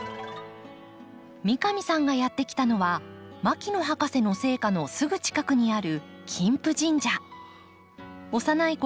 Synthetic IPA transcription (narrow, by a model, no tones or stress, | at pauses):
mʲikamʲisãŋɡajat̪ːe̞kʲi̥t̪ano̞βamakʲino̞ɦakase̞no̞se̞ːkano̞sɨɡɯ̟t͡ɕi̥kakɯ̟ɲ̟iaɾɯ̟ | kʲʰĩmpɯ̟ʑĩɲ̟d͡ʑa | o̞sanaiko